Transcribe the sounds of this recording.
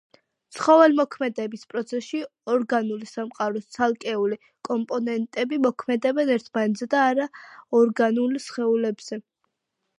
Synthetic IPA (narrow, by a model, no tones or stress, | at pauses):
t̪sʰχɔvɛlmɔkʰmɛd̪ɛbispʼɾɔt̪sʰɛsʃiɔɾɡanulisamqʼaɾɔst̪sʰalˠkʼɛuli | kʼɔmpʼɔnɛnt̪ʼɛbimɔkʰmɛd̪ɛbɛnɛɾt̪ʰmanɛt̪zɛd̪aːɾaɔɾɡanulsχɛulɛbz̥ɛ